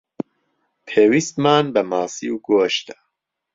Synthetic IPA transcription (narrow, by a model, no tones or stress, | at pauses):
pʰeːwist̪maːnbɐmaːsiuɡoʃt̪ɐ̥